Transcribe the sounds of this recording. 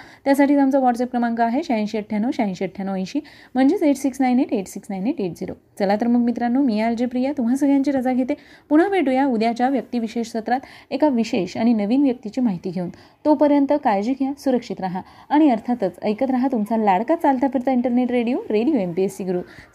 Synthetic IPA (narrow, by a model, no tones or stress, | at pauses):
t̪jas̬aʈʰiːt̪amt͡saʋɔʈsep̚kɾəmãŋkaaɦeɕãnɕəʈ̚ʈʰjanoɕaĩnɕəʈ̚ʈʰjanoə̃j̃ɕiː | m̤əɳd͡zet͡seʈsiksnajneʈeʈsiksnajneʈeʈd͡ziɾo̰ | t͡səlat̪ɾəmukʰmit̪ɾanːomijald͡ʑepɾijat̪um̤asəɡʱɭjaɲt͡ɕiːɾəd͡zaɡʱet̪epuɽ̤aʋeʈujaud̪jat͡ɕjaʋjək̚t̪iʋiɕeɕsət̪ɾat̪ekaʋiɕeɕaɽ̃inəʋiːnʋjək̚t̪it͡ɕiːmaɦit̪iːɡʱeuːn | t̪opəɾjənt̪əkajd͡ʑiɡʱjasuɾəkʂit̪ɾaɦaː | ɽ̃iəɾt̪ʰat̪ət͡sə̰jkət̪ɾaɦat̪umt͡salaɽkat̪t͡salt̪afiɾt̪aiɳʈəɾneʈɾeɽijoɾeɽijoempiesiɡɾuː